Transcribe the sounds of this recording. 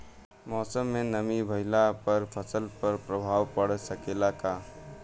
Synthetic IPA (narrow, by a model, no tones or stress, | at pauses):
mɔːsəmːenəmibʱəɪlapəɾpʰəsəlpəɾpɾəbʱawpəɽsəkelaka